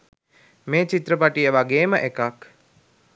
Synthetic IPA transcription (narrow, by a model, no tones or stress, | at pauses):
meːt͡ʃit̪ɾəpaʈijəʋaɡeːməʔekak